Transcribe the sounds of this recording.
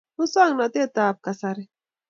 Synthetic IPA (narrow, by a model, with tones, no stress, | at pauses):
hu˦sa˦˨ŋna˨t̪e˦t̪a˨p̚ka˨sa˨ɾi˦